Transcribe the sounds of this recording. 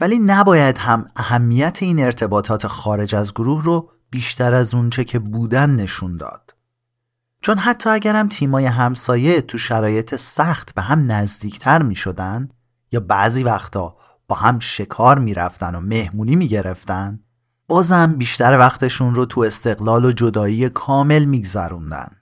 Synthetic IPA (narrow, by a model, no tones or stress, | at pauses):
væliːnæbɒːjæd̪ɦæmæhæmːijæt̪ʰe̞iːne̞ɾt̪ʰe̞bɒːt̪ʰɒːt̪ʰe̞xɒːɾe̞d͡ʒæzɡoɾuhro | b̥iːʃt̪æɾæzunt͡ʃʰe̞cʰe̞buːd̪ænːe̞ʃund̪ɒ̰ːd̪̥ | t͡ʃʰo̞nɦæt̪ʰːɒːæɟæɾæmt̪ʰiːmɒːje̞ɦæmsɒːje̞t̪ʰuʃæɾɒːje̞t̪ʰe̞sæxt̪beɦæmnæzd̪iːcʰt̪ʰæɾmiːʃo̞d̪ænd̪ | jɒːbæʔziːvæxt̪ʰɒː | b̥ɒːhæmʃe̞kʰɒːɾmiːɾæ̰ft̪æno̞me̞hmuːniːmiːɟe̞ɾe̞ft̪ænd̪ | b̥ɒːzhæmbiːʃt̪æɾvæxt̪ʰe̞ʃunrot̪ʰue̞st̪e̞ɣlɒːlod͡ʒo̞d̪ɒːiːjekʰɒːme̞lmiːɡzæɾund̪æ̰n